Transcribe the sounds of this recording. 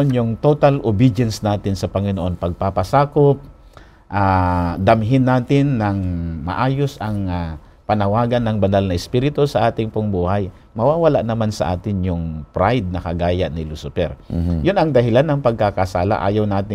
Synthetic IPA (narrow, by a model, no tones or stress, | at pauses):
njʊŋt̪ot̪ɐlʔʊbɪd͡ʒɛnsnaːt̪ɪnsɐpɐŋɪnoʔo̞npɐɡ̚papɐsaːkop̚ | ʔad̪ɐmɦɪnːaːt̪ɪnːɐŋmɐ̰ʔaːjosɐŋa | pɐnɐwaːɡɐnːɐŋbɐnalnɐʔɪspiɾɪt̪osɐʔaːt̪ɪŋpʊŋbuːhaj | mɐwaːwɐlaʔnɐmansɐ̰ʔa̰ːt̪ɪnjʊŋpɾajd̪̚nɐkɐɡaːjaʔnɪlusʊpɛ̰ɾjʊnɐŋd̪ɐɦɪlanːɐŋpɐɡ̚kakasaːla̰ʔa̰ːjɐwnaːt̪ɪ